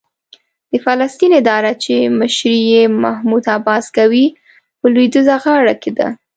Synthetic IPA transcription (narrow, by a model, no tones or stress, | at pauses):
d̪̥əfalast̪inɪd̪ɑɾat͡ʃeməʃɾijemahmud̪abɑskawi | pəlwijd̪əzaɣɑɽaked̪a̰